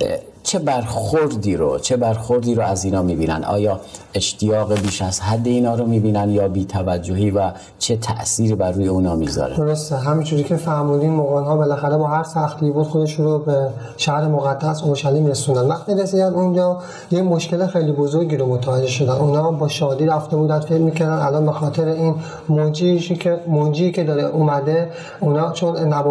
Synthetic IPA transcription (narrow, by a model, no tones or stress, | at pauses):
t͡ʃʰebæɾxoɾd̪iːɾo̰t͡ʃʰe̞bæɾxoɾd̪iːɾoʔæziːnɒːmiːbiːnæ̰nd̪ʔɒ̰ːjɒːe̞ʃt̪ʰijɒːɣebiːʃæzhæd̪ːeiːnɒːɾomiːbiːnænd̪jɒːbiːt̪ʰævæd͡ʒːohiːvæ | t͡ʃʰet̪ʰæ̰ʔsiːɾiːbæɾːuːjeuːnɒːmiːɡzɒ̰ɾed̪oɾost̪eɦæmind͡ʒuːɾicʰefæɾmuːd̪inmoɣɒnhɒːbe̞læxæɾebɒːɦæɾsæxt̪ʰibud̪xod̪eʃunɾobe | ʃæhɾe̞moɣæd̪̥ːæso̞ɾʃæliːmɾesund̪ænvæxt̪iɾesiːd̪ænd̪und͡ʒɒː | jecmo̞ʃke̞lexe̞jlibo̞zoɾɟiːɾomot̪ʰævæd͡ʒːe̞ʃo̞d̪ænuːnhɒːbɒːʃɒːd̪iːɾæft̪e̞buːd̪ænd̪fekmiːcʰæɾd̪ænælɒnbe̞xɒːt̪ʰe̞ɾein | mond͡ʒiuemond͡ʒiːcʰe̞d̪ɒːɾeʔuːmæd̪e | unhɒːt͡ʃʰonnːæb